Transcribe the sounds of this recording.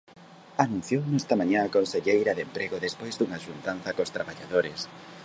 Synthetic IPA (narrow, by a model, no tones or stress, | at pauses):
anũnθjownɛst̪ɐmãɲãːkonseʎejɾɐðempɾeɣoðespojzðuŋaʃunt̪anθɐkost̪ɾaβaʎaðoɾes